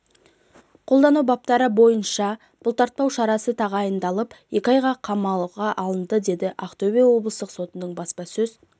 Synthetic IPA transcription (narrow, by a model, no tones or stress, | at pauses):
qʰolˠd̪ɑnubɑp̚t̪ɑɾəbo̞jənʃɑ | b̥ʊlˠt̪ʰɑɾt̪̚pɑwʃɑɾɑsət̪ʰɑʁɑjənd̪ɑlˠəpje̞kʲɪɑjʁɑqʰɑmɑlˠʁɑʔɑlˠənd̪əd̪e̞d̪ɪʔaqt̪ovʲijɑwo̞blˠəst̪əqso̞t̪ənəɴbɑspɑsɵz̥